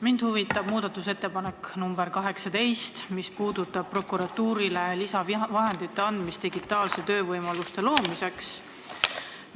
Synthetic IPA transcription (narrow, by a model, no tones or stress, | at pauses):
mind̪̥huvit̪ːˑɑb̥muːd̪̥ɑt̪ːˑuse̞t̪ːe̞pɑne̞kːnumbeɾkɑɦe̞ksɑt̪e̞jst̪mispuːd̪̥ut̪ːˑɑb̥̚pːro̞kːuɾɑt̪ːuːɾile̞lisɑvvɑɦe̞nd̪it̪ːe̞ɑnd̪mist̪iɡ̥it̪ːˑɑːlse̞t̪ø̞ːvɤjmɑlust̪e̞lo̞ːmise̞ks